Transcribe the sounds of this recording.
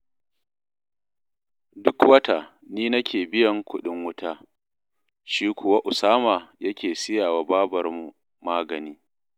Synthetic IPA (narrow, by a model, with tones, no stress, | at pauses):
dʊ˦kwɐ˦ta˨ | niː˦nɐ˦kʲeː˨bɪ˦jɐ˨ŋkʷʊ˦ɗɪ˦ŋwʊ˦tʰaː˦ | ʃiː˦kʷʰʊ˨wa˦ʔʊ˨saː˦maː˨jɐ˦kʲʰeː˨sɪ˦jaː˨waː˨baː˦bɐ˨rmu˨ | maː˦ɡɐ˨niː˦